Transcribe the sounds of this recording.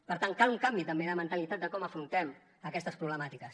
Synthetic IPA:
pəɾt̪aŋkaluŋkambit̪əmbeləmənt̪əlit̪at̪̚d̪əkɔməfɾunt̪ɛm | əkɛst̪əspɾuβləmat̪ikəs

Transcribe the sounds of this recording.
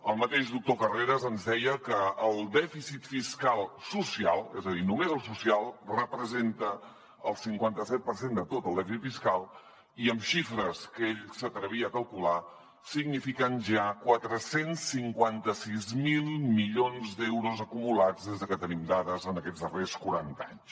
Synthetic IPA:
əlˠmət̪eʒd̪uk̚t̪okəreɾəzənzðɛjəkəəlˠd̪ɛfisit̪fiskalˠsusia̰lˠɛ̰zəðinumezəlˠsusialˠrəpɾəzent̪ə | əlˠsiŋkwant̪əsɛt̪̚pəɾsend̪ət̪ot̪əlˠd̪ɛfisit̪fiskalˠ | iəmʃifɾəskeʎsət̪ɾəβ̞iəːkəlˠkula | siɡnifikənʒakwat̪ɾəsensːiŋkwant̪əsizmilˠmiʎonzd̪ewɾuzəkumulad͡zðezðəkət̪ənimd̪aðəzənəkɛd͡zðəreskuɾant̪a̰ɲs

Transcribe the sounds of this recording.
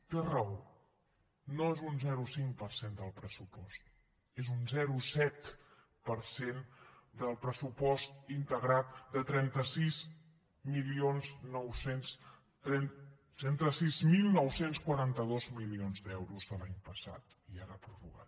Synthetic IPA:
k̪ərəo | noezunzɛɾusiŋpəɾsend̪əlˠpɾəsupɔst̪̚ | ezunzɛɾusɛt̪ | pəɾsend̪əlˠpɾəsupɔst̪int̪əɣɾat̪̚d̪ət̪ɾɛnt̪əsiz | milionznɔwsens | t̪ɾɛnt̪ɾɛnt̪əsizmilˠnɔwsenskwəɾant̪əð̞ozmilionzd̪ɛwɾuzðəlaɲpəsa̰t̪ | iaɾəpɾuβuɣa̰t̪

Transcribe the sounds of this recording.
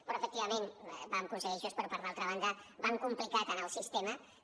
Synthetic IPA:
pɾɔəfək̚t̪iβəmenbamkunsəɣiʒospəɾɔpaɾðalˠt̪ɾəβand̪əbaŋkumplikat̪ənəlˠsist̪emə

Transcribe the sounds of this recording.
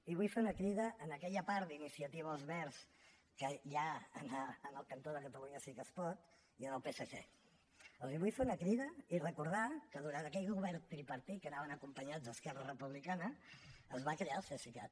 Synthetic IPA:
iβujfeunəkɾiðəʔːnəkɛʎəpaɾd̪inisiət̪iβːlˠzmɛɾs | kəʒaənaːnəlˠkənt̪oðəkət̪əɣuniəsikəspɔt̪ | iənəlˠpeseʒḛ | əlˠziβujfeunəkɾiðəirəkuɾðakəðuɾant̪əkɛʎɣuβɛɾt̪ɾipəɾt̪ikənaβənəkumpəɲad͡z̪əskɛrərəpuβlikanəəzβakɾeaəlˠsesika̰t̪

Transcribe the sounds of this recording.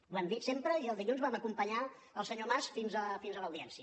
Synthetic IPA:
βamd̪isempɾəiəlˠd̪iʎunzβaməkumpəɲa | əlˠsəɲomasfinzəfinzələwðiɛnsiə

